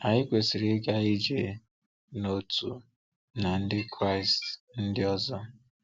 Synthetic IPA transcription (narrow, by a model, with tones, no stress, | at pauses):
a˨ɲɪ˦kʷe˨sɪ˨ɾi˨˦ka˦i˦d͡ʒe˨ | no˦tu˨ | na˨n̩˦dɪ˦kɾa˦˨ɪ˨stn̩˦dɪ˦ɔ˦zɔ˦